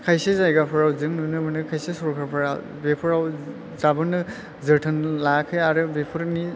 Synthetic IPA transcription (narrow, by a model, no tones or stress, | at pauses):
kʰajsezajɡapʰɯɾawzɯŋnunɯbɯnɯkʰajsesɔɾkʰaɾpʰɯɾa | bepʰɯɾaw | zabɯnɯ | zɯtʰɯnlakʰɯjaɾɯbepʰɯɾni